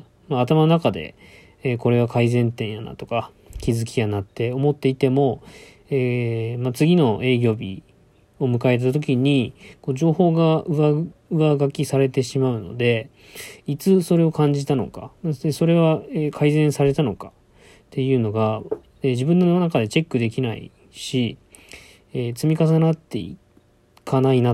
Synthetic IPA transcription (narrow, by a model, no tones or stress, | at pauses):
maːt̪amano̞nakad̪e̞̰ | eːko̞ɾe̞β̞akaizẽ̞nt̪ẽ̞ɰ̃jana̰t̪o̞̥ka | kʲizɨkʲijanat̪ːe̞o̞mo̞t̪ːe̞it̪e̞mo̞ | eːmat͡sɨɡʲino̞ʔe̞ːɡʲo̞ːbʲḭ | o̞mɯ̟kae̞t̪̬t̪at̪̬o̞kʲiɲ̟iko̞ːd͡ʑo̞ːho̞ːɡaɯ̟aɯβaɡakʲisaɾe̞t̪e̞ɕimaɯ̟no̞̰d̪e̞ | it͡sɨso̞ɾe̞o̞kãɲ̟d͡ʑit̪ano̞̰ka̰eso̞ɾe̞βaeːkʰaizẽ̞ɰ̃saɾe̞t̪ano̞kḁ | t̪ʰe̞jɯ̟ːno̞ɡa | eːd͡ʑibɯ̟̃nːonakad̪e̞t͡ɕe̞kːɯ̟d̪e̞kʲinaḭ | ɕi | eːt͡sɨmʲikas̬anat̪ːe̞̰ḭ | kʰanaina